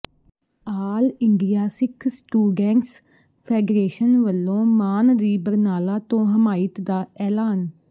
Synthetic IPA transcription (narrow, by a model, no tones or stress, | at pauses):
aːlɪɳɖijaːsɪkʰsʈuːɖɛ̃ːŋs | pʰɛːɖɾeːʃənʋəlːõːmaːnd̪iːbəɾnaːlaːt̪õːɦəmaːɪt̪d̪aːɛːlaːn